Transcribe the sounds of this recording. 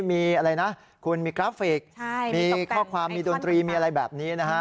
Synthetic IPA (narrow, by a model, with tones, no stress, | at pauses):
miː˧ʔa˧ɾa˧jna˦˥ | kʰu˧nmiː˧kɾaː˦˥pfeː˨˩k̚miː˧kʰɔː˥˩kʰwaː˧mːiː˧do˧nt̪ɾiː˧miː˧a˧ɾa˧jbɛː˨˩p̚niː˦˥na˦˥kʰa˦˥